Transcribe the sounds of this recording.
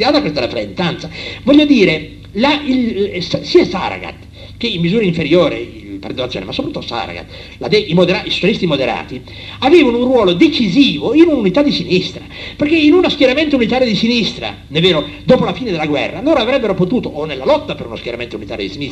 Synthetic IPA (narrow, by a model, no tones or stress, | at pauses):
aːt̪akest̪alafɾent̪ant̪savɔʎːod̪iːɾe | lailssiːasa̰ɾa̰ɡa̰t̪ | k̟eimːizuːɾaiɱfeɾjoːɾḛ | pḛrd̪onat̪sjoːnḛmasopɾt̪uuːsa̰ɾa̰ɡa̰t̪ | lad̪ɛimod̪eɾaiso̥t͡ʃalist̪imod̪eɾa̰ːt̪i | aveːvanounrwɔːlod̪et͡ʃiziːvoinununit̪ad̪ːisinist̪ɾaperk̟einunaskjeɾament̪ounit̪aːɾjod̪isinist̪ɾa̰ | nɛvːeːɾod̪ɔːpolafiːned̪elaɡwɛ̰rːaloːɾavɾɛbːeɾopot̪uːt̪oʔonelːalɔt̪ːapeɾunoskjeɾament̪ounit̪aːɾjod̪isinist̪